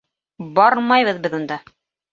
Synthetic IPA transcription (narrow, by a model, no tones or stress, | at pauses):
bɑɾmɑjβɤðbɘðund̪ɑ